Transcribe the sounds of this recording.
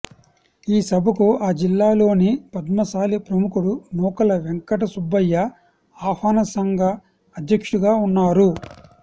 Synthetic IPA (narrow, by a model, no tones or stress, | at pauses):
iːsɐbʱɐkuaːd͡ʒilːaːlo̞ːnipɐd̪mɐsaːlipɾɐmukuɽunɔːkɐlɐʋeŋkɐʈ̬ɐsubːɐjːɐ | aːfaːnɐsɐŋɡʱɐː | d̪jɐkʂuɡaːunːaːɾu